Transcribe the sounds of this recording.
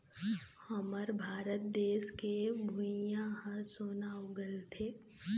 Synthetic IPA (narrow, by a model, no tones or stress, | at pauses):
hɐməɾbʱaːɾət̪̚d̪eːʃkebʱʊjãɦãsonaːʊɡəlt̪ʰeː